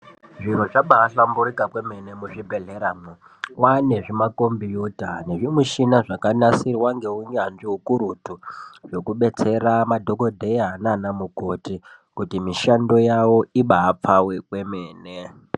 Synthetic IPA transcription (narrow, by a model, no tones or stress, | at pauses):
ʐiɾoʐaɓaːɬambuɾikakwe̞me̞ne̞muʐibʱe̞ɮeɾamu | wane̞ʐimako̞mbijutane̞ʐimuʃinaʐakanasirwaŋɡe̞uɲanʐiɦukuɾutuʐo̞kuɓe̞t͡se̞ramadʱo̞ko̞dʱeiananamuko̞ti | kutimiʃando̞jawo̞iɓaːp͡fawekwe̞me̞ːne